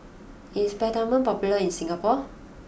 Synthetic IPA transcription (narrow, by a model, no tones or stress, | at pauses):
ĩnspɛdamə̃npɔpuləinsĩŋɡapɔ